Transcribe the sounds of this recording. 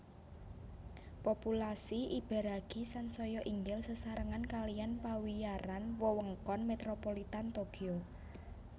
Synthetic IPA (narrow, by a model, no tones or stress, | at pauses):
populasiʔib̥ɛ̤ɾaɡ̥isansɔjɔʔiŋɡɪlsəsaɾəŋankalijanpawijaɾanwɔwəŋkɔnmet̪ɾopolit̪ant̪okio